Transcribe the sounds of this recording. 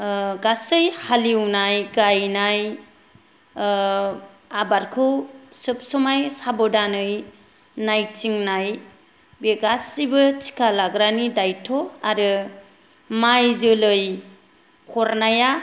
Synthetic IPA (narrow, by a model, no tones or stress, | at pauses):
ɡasɯjhaliwnajɡajnaj | abaɾkʰɯwsɯp̚sɔmajsabɔdanɯj | najt͡ʃiŋnaj | beɡasibɯt͡ʃi̥kʰalaɡɾanidajtʰɔaɾɯ | majzɯlɯj | kʰɔɾnaja